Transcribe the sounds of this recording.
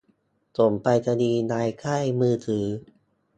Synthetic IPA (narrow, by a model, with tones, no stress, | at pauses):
to˨˩mpa˧jta˧niː˧naː˧jkʰa˥˩jmɯː˧t̪ʰɯː˩˦